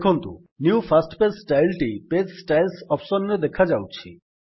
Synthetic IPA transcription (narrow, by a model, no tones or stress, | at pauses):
kʰont̪ṵ | nuufʰasʈpessʈajlʈipetsʈajlsɔpsonɾed̪ekʰad͡ʑawt͡ɕʰḭ